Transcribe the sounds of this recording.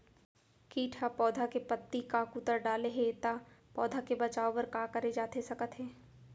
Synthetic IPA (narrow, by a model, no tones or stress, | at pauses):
kiːʈʰapɔːd̪ʱakepət̪ːikakut̪əɾɖaːleɦet̪apɔːd̪ʱakebɐt͡ʃaːoʋəɾkaːkɐɾed͡ʒaːt̪esɐkət̪ɦɛː